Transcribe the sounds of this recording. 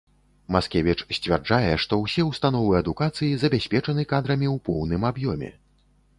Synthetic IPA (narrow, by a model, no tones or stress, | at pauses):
maskʲɛvʲit͡ʂsʲt͡sʲvʲard͡ʐajɛʂt̪ɔwsʲɛwst̪an̪ɔvɨɐd̪ukat̪sɨjizɐbʲasʲpʲɛt͡ʂɐnɨkad̪ɾɐmʲiwpɔwnɨmabjɔmʲɛ̰